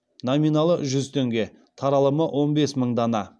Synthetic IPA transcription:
nominɑlˠəʒʏzt̪ʰeŋɡʲe̞ | t̪ʰɑɾɑlˠəməwʔo̞nbe̞sməɴd̪ɑnɑ

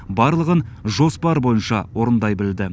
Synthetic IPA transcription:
bɑɾlˠəʁənʒo̞spɑɾbo̞jənʃɑwoɾənd̪ɑjbɪld̪ɪ

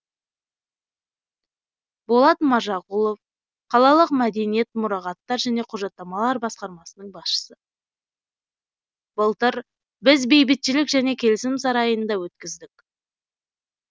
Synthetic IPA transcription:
bolˠɑt̪mɑʒɑqulˠo̞f | qʰɑlˠɑlˠəqmæd̪e̞nije̞t̪mʊɾɑʁɑt̪ːɑɾʒæne̞qʰʊʒɑt̪ːɑmɑlˠɑɾbɑsqɑɾmɑsənəɴbɑsʃə̥sə | bəlˠt̪əɾ | bɪzbe̞jbɪt̪ʃɪlɪkʒæne̞kʲʰe̞lɪsɪmsɑɾɑjənd̪ɑwɵt̪̚kʲɪzd̪ɪk

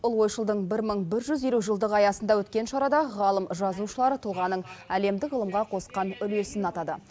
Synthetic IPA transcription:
ʊlˠwo̞jʃəlˠd̪əɴbɪɾməɴbɪɾʒʏzje̞luʒəlˠd̪əʁɑjɑsənd̪ɑwɵt̪kʲe̞nʃɑɾɑd̪ɑʁɑlˠəmʒɑzuʃəlˠɑɾət̪ʰuʁɑnəɴæle̞md̪ɪkʁəlˠəmʁɑqʰo̞sqɑnʏle̞sɪnɑt̪ɑd̪ə̰

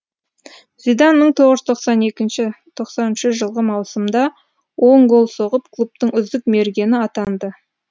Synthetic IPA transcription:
z̥id̪anməɴt̪ʰo̞ʁəʒʏt̪ʰoqsɑne̞kʲɪnʃɪt̪ʰo̞qsɑnɪnʃɪʒəlˠʁəmɑwsəmd̪ɑ | wo̞ɴɡo̞lˠso̞ʁəp̚kʰlˠup̚t̪əɴʏzd̪ɪkme̞ɾɡʲe̞nɪɑt̪ɑnd̪ə

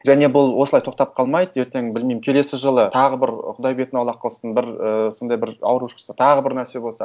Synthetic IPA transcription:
ʒæne̞bʊlˠwo̞səlˠɑjt̪ʰo̞q̚t̪ɑp̚qʰɑlˠmɑjd̪əe̞ɾt̪e̞ŋbɪlmejmɪmkʲʰe̞le̞sɪʒəlˠət̪ʰɑʁəbɪɾqʰʊd̪ɑjbe̞t̪ɪnɑwlˠɑqʰːəlˠsənbɪɾəso̞nd̪ɑjbɪɾɑ̰wɾuʃə̥sət̪ʰɑʁəbɪɾnæɾse̞bo̞lˠsɑ

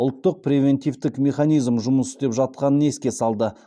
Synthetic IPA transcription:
ʊlˠt̪ːəq̚pɾʲevʲe̞nt̪ʲijvt̪ɪkmʲe̞χanijzmʒʊməsɪ̥t̪e̞pʒɑt̪̚qɑnəne̞skʲesɑlˠd̪ə

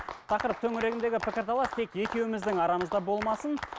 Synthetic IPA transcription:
t̪ʰɑqəɾəp̚t̪ʰɵŋɪɾe̞ɡʲɪnd̪e̞ɡʲɪpʰɪkʲɪɾt̪ʰɑlˠɑst̪ʰe̞kje̞kʲe̞wɪmɪzd̪ɪŋɑɾɑməzd̪ɑbo̞lˠmɑsən

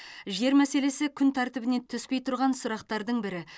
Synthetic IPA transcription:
ʒe̞ɾmæse̞le̞sɪkʲʰʏnt̪ʰæɾt̪ɪbɪne̞t̪ʰʏspe̞jt̪ʰʊɾʁɑnsʊɾɑq̚t̪ɑɾd̪əɴbɪɾɪ

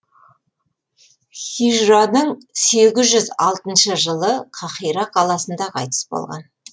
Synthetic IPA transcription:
χiʒranəɴse̞ɡʲɪzʒʏzɑlˠt̪ənʃəʒəlˠəqʰɑχijɾɑqʰɑlˠɑsənd̪ɑqʰɑ̰jt̪ə̥sbo̰lˠʁɑ̰n

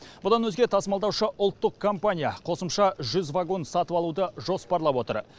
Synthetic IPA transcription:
b̥ʊd̪ɑnwɵzɡʲe̞t̪ʰɑsəmɑlˠd̪ɑwʃəʔʊlˠt̪ːəqkʰo̞mpanʲijaqʰo̞səmʃɑʒʏzvaɡo̞nsɑt̪əwɑlˠud̪əʒo̞spɑɾlˠɑpwo̞t̪ə̰ɾ

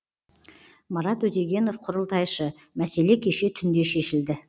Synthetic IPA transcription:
mɑɾɑt̪ɵt̪eɡʲe̞nofqʰʊɾəlˠt̪ɑjʃə | mæse̞le̞kʲʰe̞ʃe̞t̪ʰʏnd̪e̞ʃe̞ʃɪld̪ɪ

